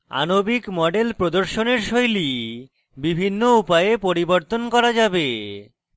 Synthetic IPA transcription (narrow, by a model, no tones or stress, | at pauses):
a̰nobikmɔɖelpɾod̪oɾʃoneɾʃojli | bibʱinːoupajepoɾiboɾt̪onkɔɾad͡ʑabe